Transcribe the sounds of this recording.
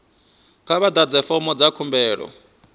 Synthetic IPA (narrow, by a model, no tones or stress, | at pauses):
kʰaβad̪ad͡zɛfɔmɔd͡zakʰumbɛːɺɔ̰